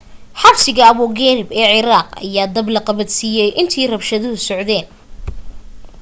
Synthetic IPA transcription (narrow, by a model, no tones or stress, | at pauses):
ħɑbsɪɣɐːβɔːɣɛːnɪbɛːʕɪɾaːqɐ̰jaːd̪ɐblɐqɑβɐd̪siːjɛjʔɪnt̪ʰiːrɐbʃɐðʊɦʊsɔʕðɛːn